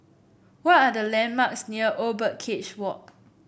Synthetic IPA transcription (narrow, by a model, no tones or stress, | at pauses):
wɔtadəlɛ̃nmaksniəʔobət̚kʰet͡ʃwɔʔ̚